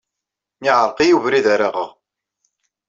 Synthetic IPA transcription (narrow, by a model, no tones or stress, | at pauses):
mɪʕəɾˤqijuvɾiðæɾaʁə̰ʁ